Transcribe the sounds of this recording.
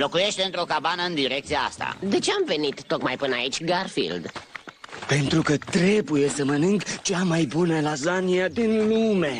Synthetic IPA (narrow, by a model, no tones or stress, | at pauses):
lo̞kuje̞ʃt̪e̞ɨnt̪ɾo̞kabanəɨnd̪iɾe̞k̚t̪sijaa̰st̪a̰d̪e̞t͡ʃeamve̞nit̪ːo̞kmajpɨnait͡ʃʲɡarfḭld̪ | pe̞nt̪ɾukət̪ɾe̞buje̞səmənɨŋɡt͡ʃamajbunəlazaniad̪inlume̞